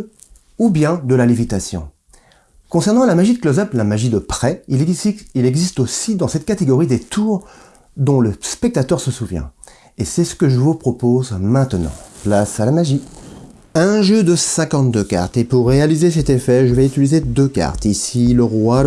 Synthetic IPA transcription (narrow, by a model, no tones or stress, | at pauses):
ubjɛ̃d̪əlalivit̪asjɔ̰̃ | kɔ̃sɛʁnɑ̃lamaʒid̪əklɔzaplamaʒid̪əpχɛiilɛɡzist̪osid̪ɑ̃sɛt̪̚kat̪eɡɔʁid̪et̪ʰuʁ | d̪ɔ̃ləspɛk̚t̪at̪œʁsəsuvjɛ̰̃ | esɛsə̥kəʒəvupχɔpozmɛ̃t̪ənɑ̰̃plasalamaʒi | ɛ̃ʒød̪əsɛ̃kɑ̃t̪̚d̪øka̰ʁt̪epuʁːealizesɛt̪efɛʒəvɛyt̪ilized̪øka̰ʁt̪isiləʁwa